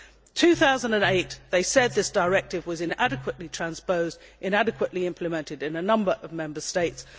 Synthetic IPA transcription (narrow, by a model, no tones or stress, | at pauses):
tʰʉθaʊzə̃n̩də̃neɪt̪̚ðeɪsɛd̪̚ðɪsd̥əɹɛk̚tɨvwʌzɨ̃næɾɨkʰwəʔlitʰɹ̥æ̃nspəʊzdʔɨ̃næɾɨkʰwəʔliɪ̃mpʰlɨmɛ̃ntɨdɨ̃nənʌ̃mbə˞ʔʌvmɛ̃mbəsteɪts